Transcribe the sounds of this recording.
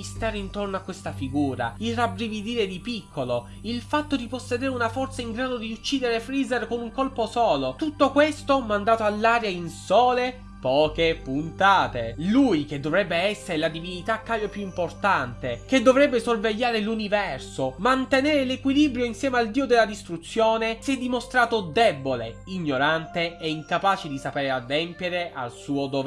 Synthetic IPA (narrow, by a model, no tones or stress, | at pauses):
ist̪aːɾeint̪ornoakːwest̪afiɡuːɾa̰ilrabɾivid̪iːɾed̪ipikʰːolo | ilfat̪ːod̪iposːed̪eːɾeunafɔrt̪saiŋɡɾaːd̪od̪iut͡ʃːiːd̪eɾefɾizerkonuŋkolposɔːlot̪ut̪ːokwest̪omand̪aːt̪oalːaːɾjainsɔːle | pɔːkepunt̪aːt̪elujk̟ed̪ːovɾɛbːeɛsːeɾelad̪ivinit̪akːaːbjopjuimport̪ant̪ek̟ed̪ːovɾɛbːesorveʎːaːɾelunivɛrsomant̪enɛːɾelekwiliːbɾjoinsjɛːmeald̪iːod̪elːad̪ist̪ɾut̪sːjoːnesɛd̪ːimost̪ɾaːt̪od̪ɛbːolḛiɲːoɾant̪eɛiŋkapaːt͡ʃed̪isapeːɾead̪ːɛmpjeɾeʔa̰lsuːod̪ov